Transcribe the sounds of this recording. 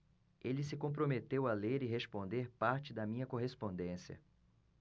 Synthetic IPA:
elɪsɪkõp̬ɾomet̪ewɐleɾɪɦespõnd̪eɾpaɾt͡ʃɪd̪ɐmĩɲɐkoɦespõnd̪ẽsijɐ̰

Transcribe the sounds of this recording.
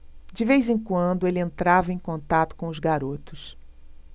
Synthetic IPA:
d͡ʒɪvejzẽkwɐ̃nd̪ʊelɪẽnt̪ɾavɐẽj̃kõnt̪at̪ʊ̥kõʊzɡaɾot̪ʊs

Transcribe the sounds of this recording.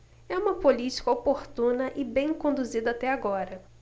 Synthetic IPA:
ɛũmɐpolit͡ʃi̥kɐopoɾt̪ũnɐʔɪbẽj̃kõnd̪uzid̪ɐat̪ɛaɡɔɾɐ

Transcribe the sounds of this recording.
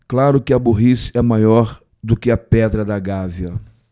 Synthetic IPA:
klaɾʊkɪɐboɦisɛmajɔɾ | d̪ʊkɪɐpɛd̪ɾɐd̪ɐɡaviɐ

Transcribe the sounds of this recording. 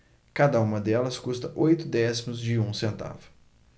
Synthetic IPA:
kad̪ɐũmɐd̪ɛlɐskust̪ɐʔojt̪ʊd̪ɛsimʊzd͡ʒɪũsẽnt̪a̰vʊ̥

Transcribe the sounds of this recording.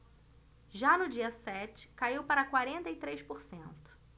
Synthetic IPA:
ʒanʊd͡ʒiɐsɛt͡ʃɪ̥kaiwpaɾɐkwaɾẽnt̪ɐit̪ɾejʃpoɾsḛ̃nt̪ʊ̥

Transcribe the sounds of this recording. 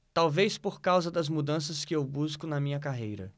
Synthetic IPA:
t̪awvejspoɾkawzɐd̪ɐzmud̪ɐ̃sɐskɪewbuskʊnɐmĩɲɐkaɦejɾɐ̰

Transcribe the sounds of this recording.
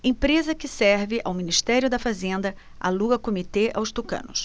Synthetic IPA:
ẽpɾezɐkɪsɛɾvɪʔawminiʃt̪ɛɾjʊd̪ɐfazẽnd̪ɐ | a̰luɡɐkomit̪eʔa̰wst̪ukɐ̰̃nʊs

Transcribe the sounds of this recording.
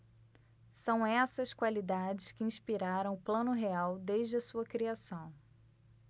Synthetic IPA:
sɐ̃w̃ɛsɐskwalid̪ad͡ʒɪskɪĩʃpiɾaɾɐ̃w̃ʊplɐ̃nʊɦeawd̪eʒd͡ʒɪɐsuɐkɾiasɐ̃w̃

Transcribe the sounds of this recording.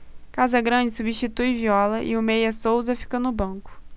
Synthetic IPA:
kazɐɡɾɐ̃d͡ʒɪsubiʃt͡ʃit̪ujviɔlɐʔɪ̰ʊmejɐsowzɐfi̥kɐnʊbɐ̃kʊ̥

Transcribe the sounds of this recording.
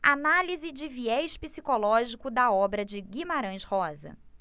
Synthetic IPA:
analizɪd͡ʒɪviɛʃpisikolɔʒikʊd̪ɐɔbɾɐd͡ʒɪɡimaɾɐ̃j̃ʃhɔzɐ̰

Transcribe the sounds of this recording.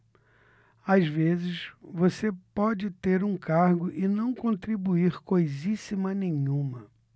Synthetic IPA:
azvezɪsvosepɔd͡ʒɪt̪eɾũkaɾɡʊʔɪnɐ̃w̃kõnt̪ɾibuiɾkojzisimɐnẽjɲũmɐ

